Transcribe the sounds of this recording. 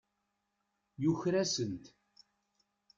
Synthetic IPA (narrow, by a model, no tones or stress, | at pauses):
juçɾæsənt̪